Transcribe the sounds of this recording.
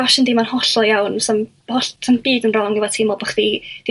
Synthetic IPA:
aʃɛndimanhɔɬɔjawnsɔm | hɔɬsɔmbiːdənrɔŋɪwɔtʰɪmɔbəχð̥id̥i

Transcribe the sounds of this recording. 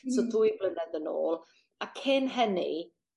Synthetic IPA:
sɔdujblənɛdəno̰ːlˠ | akʰɪnɦənḭ

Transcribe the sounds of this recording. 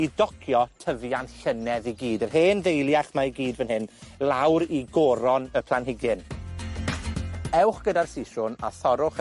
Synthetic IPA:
idɔkʰjɔtʰəvjanɬənɛðiɡiːdərɦeːnðejlˠjaχmaiɡiːdvənhɪnlˠawɾiɡɔːɾɔnəpʰlˠanɦɪɡɪn | ɛwχɡ̥ədarsiʃʊna̰θɔɾʊχ

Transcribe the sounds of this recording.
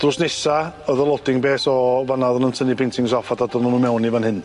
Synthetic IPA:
d̥rʊsnɛsaəðəlˠɔdɪŋbeːsɔvanaðɔnəntʰənipʰɪntʰɪŋs̬ɔfadadɔnənumɛwnivanhɨn

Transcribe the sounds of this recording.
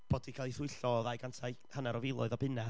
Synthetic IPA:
b̥oːdikʰalˠiθʊɨɬɔðajɡantʰaj | hənaɾɔvɪlˠʊ̰ɨðɔbɪna

